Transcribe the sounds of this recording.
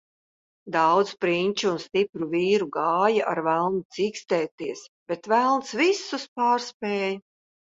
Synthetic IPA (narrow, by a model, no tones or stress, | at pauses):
d̪awd̪spɾinʲt͡ʃuunst̪ipɾuviːɾuɡaːjaʔaɾvælˠnut̪siːkst̪ɛːt̪iɛsb̥et̪vælˠnsvisːuspaːɾspeːj